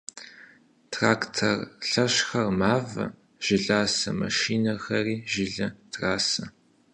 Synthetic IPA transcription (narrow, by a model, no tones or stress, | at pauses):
tʰraːktʰɐrɬɐɕxɐrmaːvɐ̰ | ʒ̥ɪɮaːsɐ̰mɐ̰ʃiːnɐxɐriːʒɪɮɐtʰraːsɐ